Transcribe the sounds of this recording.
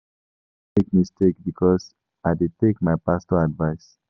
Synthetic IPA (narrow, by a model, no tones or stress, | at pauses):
mek̚mistekbikʰɔz | aɪdid̚tekmajpastɔadvaɪs